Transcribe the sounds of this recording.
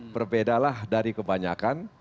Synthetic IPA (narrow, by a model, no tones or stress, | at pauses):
bərbedalahdaɾikəbaɲakan